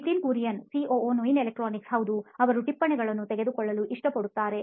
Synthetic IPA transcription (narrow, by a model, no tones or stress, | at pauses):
ʈiːnkuːɾijɐnsiʔoːoːnoinelek̚ʈɾaːniksɦɐʋud̪uɐʋɐɾuʈipːɐɳɛɡɐɭɐnːut̪ɛɡe̞d̪ukɔɭːɐluʔiʂʈɐpɐɽut̪ːaːɾe̞